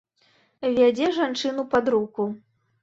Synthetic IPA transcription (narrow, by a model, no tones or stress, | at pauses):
vʲad͡zʲɛʐant͡ʂɨnupad̪ɾuku